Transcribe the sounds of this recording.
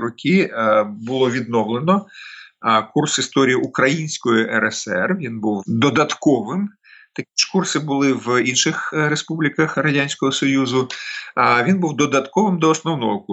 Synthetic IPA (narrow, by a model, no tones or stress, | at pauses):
ɾɔkʲibʊlˠɔʋʲid̪nɔwlˠenɔ | kursist̪ɔɾʲijiʔukɾɐjinʲsʲkɔjʊʔɛɾɛsɛrʋʲinbuwd̪ɔd̪ɐt̪kɔʋɪm | t̪ɐkʲit͡ʃkursɪbʊlˠɪʋinʃɪxɾespublʲikɐxrɐdʲanʲsʲkɔɦɔsɔjuzʊ | ʋʲinbuwd̪ɔd̪ɐt̪kɔʋɪmd̪ɔːsnɔwnɔɦɔk